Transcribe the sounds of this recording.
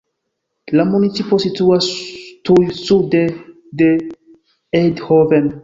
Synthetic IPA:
lamunitt͡sipo̞situastujsud̪e | d̪e | edhoven

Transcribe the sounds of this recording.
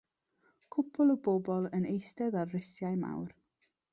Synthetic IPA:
kʰʊpʰʊlˠəbɔbɔlˠənejstɛðarːɪsjajma̰wr

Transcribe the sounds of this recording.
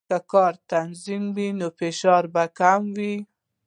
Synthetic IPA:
akɑɾt̪anzimwinofeʃɑɾbakamwi

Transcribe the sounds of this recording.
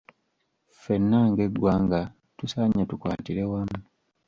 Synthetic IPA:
fe̞nːaŋɡeɡwaːŋɡa | tusaɲːatukwa̰ːtiɾewamu

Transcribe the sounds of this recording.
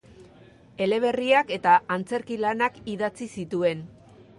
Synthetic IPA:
e̞le̞β̞e̞riake̞t̪aʔːnt͡se̞ɾkilanakiðat͡sisit̪ue̞n

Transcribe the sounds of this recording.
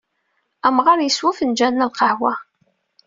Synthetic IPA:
æmʁɑɾjəswæfənd͡ʒænnælqəhwæ

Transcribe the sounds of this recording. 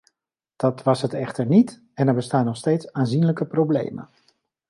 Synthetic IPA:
d̥ɑtʋɑsɦətɛχtəɹnit | ɛnɛɹbəstaːnːɔχstejtsaːnzinləkəprowblḛjmə̰n

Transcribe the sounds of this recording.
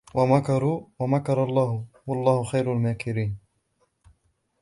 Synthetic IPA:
wamakɑɾwamakɑɾˤɑlˤːɑːhʊwɑlˤːɑːhʊxajɾalmaːkɪɾiːn

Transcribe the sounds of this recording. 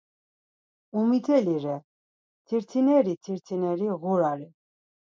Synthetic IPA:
umit̪ʰɛliɾɛ | t̪ʰiɾt̪ʰinɛɾit̪ʰiɾt̪ʰinɛɾiɣuɾaɾi

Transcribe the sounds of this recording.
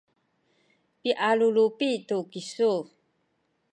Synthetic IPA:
piʔalulupitukisu

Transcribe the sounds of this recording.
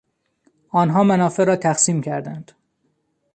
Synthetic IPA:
ɒːnɦɒːmænɒːfe̞ɾɒːt̪ʰæxsiːmcʰæɾd̪ænd̪̥

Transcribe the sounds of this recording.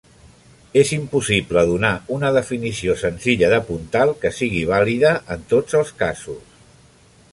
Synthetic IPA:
ezimpusipləðunaunəðəfinisiosənziʎəðəpunt̪alˠkəsiɣ̞iβ̞aliðəʔənt̪od͡zəlˠskazus

